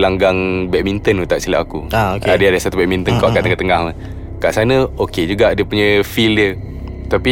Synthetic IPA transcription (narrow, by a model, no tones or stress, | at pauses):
laŋɡaŋbɛʔk̚mint̪ənut̪aʔsila̰ʔakṵaokadəadasat̪ubɛʔmint̪ənkɔʔkaʔt̪əŋat̪əŋahmə | kaʔsanə̃oked͡ʒuɡaʔdiəpuɲə̃fildə | t̪api